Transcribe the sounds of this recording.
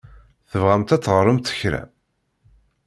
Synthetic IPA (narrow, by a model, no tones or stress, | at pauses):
θəvʁæmt̪æt͡sːʁəɾˤəmt̪ə̥çɾæ̰